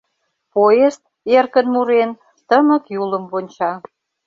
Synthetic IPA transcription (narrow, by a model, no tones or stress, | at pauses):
poest̪̚ | erkənmuɾen | t̪əməkjuləmβonʲt͡ɕɑ